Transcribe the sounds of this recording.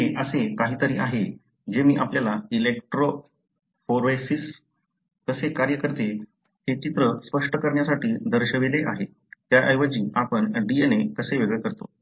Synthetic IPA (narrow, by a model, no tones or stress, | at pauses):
ɦeʔəsekaɦiːt̪əɾḭːʔaɦe | d͡ʑemiːʔapljalailekʈɾo | foɾʋesis | kəsekaɾjəkəɾt̪e | ɦet͡ɕit̪ɾəspəʂʈəkəɾɳjasaʈiːd̪ʱəɾɕəʋeleʔaɦe | t̪jaʔəjʋəd͡ʑiːapəɳɖienek̪əseʋeɡɭekəɾt̪o̰